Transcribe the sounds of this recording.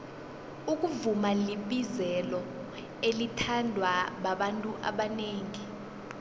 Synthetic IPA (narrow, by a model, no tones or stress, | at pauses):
uk̬ʼuvumaliɓizɛlɔ | elitʰandʱwaɓaɓantʼuʔa̰ɓaneːŋi